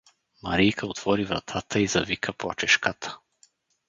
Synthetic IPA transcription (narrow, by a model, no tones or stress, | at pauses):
maɾijkʰaɔt̪vɔɾivɾa̰t̪ʰat̪ʰaiza̰vikʰapat͡ʃɛʃkat̪ʰḁ